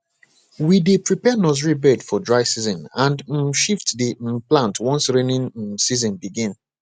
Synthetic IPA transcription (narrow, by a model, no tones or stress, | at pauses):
widepɹipɛnɔzɹibɛdfɔdɹaɪsizɔ̃nãnd̩ʃiftdiplãntwɔ̃nsɹenĩn̩sizɔ̃nbiɡĩn